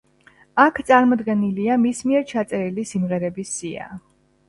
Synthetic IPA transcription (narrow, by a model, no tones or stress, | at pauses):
akʰt̪sʼaɾmɔd̪ɡɛniliamismiɛɾt͡ʃʰat̪sʼɛɾilisimʁɛɾɛbisːia̰